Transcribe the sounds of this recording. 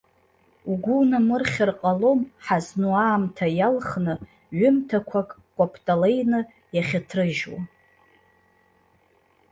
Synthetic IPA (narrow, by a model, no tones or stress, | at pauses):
uɡʷunɨmɨrχʲɪrqʼalo̞mħaznuaːmtʰajalχnɨ | ɥʊmtʰakʷʰakʼkʷʼapʰtʼale̞jnɨ | jaχʲatʰrɨʒwa̰